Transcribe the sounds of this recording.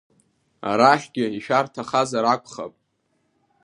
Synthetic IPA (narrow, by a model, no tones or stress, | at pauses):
a̰ɾaχʲɡʲɪiʃᶣartʰaχazaɾakʷʰʼχa̰pʼ